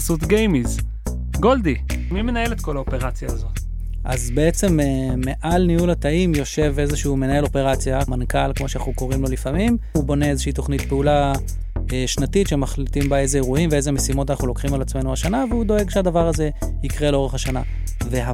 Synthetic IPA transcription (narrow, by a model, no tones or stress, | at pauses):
sut̪ɡejmiz | ɡo̞ld̪imimenae̞le̞t̪ko̞laope̞ʁat͡sjaːzo̞t | ʔa̰zbe̞et͡se̞meme̞ʔalnijulhat̪aimjo̞ʃe̞ve̞zeʃume̞nae̞lo̞pe̞ʁat͡sjamankalkmo̞ʃeanaχuko̞ʁimlo̞lifamim | ubo̞ne̞ezeʃeiːt̪o̞χnitpeula | eʃnatitʃemaχlit̪imbae̞zeeʁuhimvee̞zemesimo̞t̪anaχnulo̞kχimalat͡sme̞nuaʃanaveud̪o̞e̞ɡʃead̪avaʁaze̞ | ikʁe̞lo̞ʁeχhaʃana̰ | ve̞a